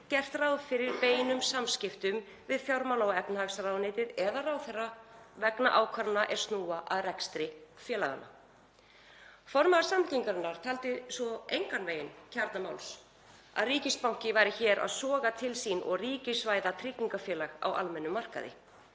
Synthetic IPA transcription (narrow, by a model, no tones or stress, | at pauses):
cɛr̥t̪rawðfɪɾɪɾpeːjnʏmsamscɪft̪ʏm | vɪðθjawɾmalawɛpnahaɣsɾawneːjt̪ɪðɛðarawθerːavɛknaʔaːwkʰvaɾnaʔɛɾ̥st̪nuːaʔaðrɛkst̪ɾɪfjɛːlaɣa̰na̰ | fɔɾmaðaɾ̥samt̪iŋkaɾɪnːaɾ̥t̪ʰaːlt̪ɪsvɔejŋkanveːjɪncʰaɾt̪nama̰wls | a̰ðriːcɪspawŋ̥cɪvaːɾɪçɛːɾʔa̰ðsɔːɣat̪ʰɪlsiːnɔ̰ɣriːcɪsvaːjðat̪ʰɾiciŋkafjɛːlaɣa̰wʔa̰lmɛnːʏmːar̥ka̰ðɪ̰